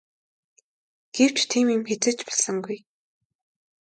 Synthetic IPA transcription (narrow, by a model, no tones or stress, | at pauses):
ɡ̥ew̥t͡ɕt̪ʰiːmimxet͡sɘ̆t͡ɕpɔ̥ɮɞ̆ŋɡuj